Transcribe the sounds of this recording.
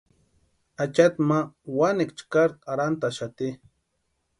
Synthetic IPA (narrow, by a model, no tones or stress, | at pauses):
at͡ʃat̪mawanikt͡ʃkaɾtaɾant̪aʃat̪i